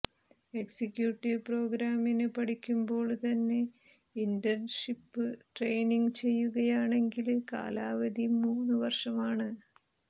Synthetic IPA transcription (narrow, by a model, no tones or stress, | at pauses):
e̞ksikʲːjuːʈːiʋpro̞ːɡɾaːminɨpɐʈikʲːumbo̞ːɭt̪ɐnːe̞ | indɐrnʂipːɨʈre̞jniŋɡt͡ɕe̞jːuɣɐjaːɳe̞ŋɡilka̰ːlaːʋɐd̪imuːnːɨʋɐrʂɐmaːɳɨ